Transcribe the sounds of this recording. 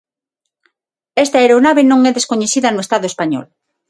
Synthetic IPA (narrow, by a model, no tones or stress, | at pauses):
est̪aeɾonaβenõŋɛðeskoɲeθiðɐnoest̪aðoespaɲɔ̰l